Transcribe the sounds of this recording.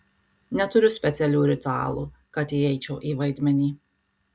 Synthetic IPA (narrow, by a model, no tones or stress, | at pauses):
nʲɛt̪ʊɾʲʊsʲpʲɛt̪sʲɛlʲuːɾʲit̪ua̰ːlˠukat̪iɛjt͡ʃoːʔiːvajd̪ʲmʲɛnʲiː